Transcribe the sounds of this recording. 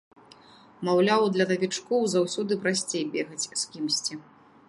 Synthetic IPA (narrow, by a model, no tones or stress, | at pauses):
mawlʲawd̪lʲɐt̪ɐvʲit͡ʂkɔwzawsʲɔd̪ɨpɾasʲt͡sʲejbʲeɣɐt͡sʲskʲimsʲt͡sʲi